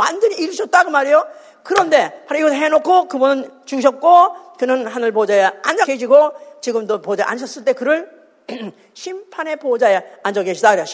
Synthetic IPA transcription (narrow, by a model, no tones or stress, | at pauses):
wa̰nd͡ʑʌɲiːɾɕʰʌt̚t͈aɡɯmaɾijo | kɯɾʌnde̞paɾoiɡʌsʰɦenokʰokɯbunɯnt͡ɕuɕ̬ʰʌt̚k͈okɯnɯnɦanɯɭpod͡ʑajea̰nd͡ʑak͈eɕʰiɡot͡ɕiɡɯmdopod͡ʑaʔa̰nɕ̬ʰʌs͈ɯɭt͈e̞kɯɾʌɭ | ɕʰimpʰane̞pod͡ʑajeand͡ʑʌkeɕʰidakɯɾi